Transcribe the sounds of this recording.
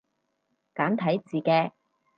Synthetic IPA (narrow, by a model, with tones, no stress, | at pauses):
kaː˨˥nt̪ʰɐ˨˥jt͡siː˨˩kɛː˧